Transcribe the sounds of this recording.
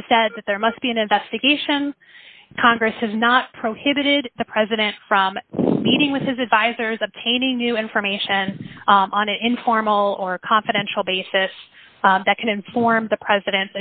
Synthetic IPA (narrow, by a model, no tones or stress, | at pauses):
sɛd̪̚ðɨt̪̚ðə˞mʌst̚b̥iɨ̃nɨ̃ɱvɛstɨɡeɪʃɨ̃n | kʰɑ̃ŋɡɹɨshɨznət̚pʰɹ̥oʊhɪbɨɾɪd̪̚ðɨpʰɹ̥ɛzɨɾɨ̃ntfɹʌ̃mːiɾɪ̃ŋwɨð̥ɨzɨdvaɪzə˞zɨb̚tʰẽɪ̃nɪ̃ŋnʉɪ̃ɱfə˞meɪʃɨ̃nə̃nɨ̃nɪ̃ɱfɔɹml̩ˠə˞kʰɑ̃ɱfɨɾɛ̃nʃl̩ˠbeɪsɨs | ðɨt̚kʰɨ̃ñɨ̃ɱfɔɹmðɨpʰɹ̥ɛzɨɾɨ̃ntɨ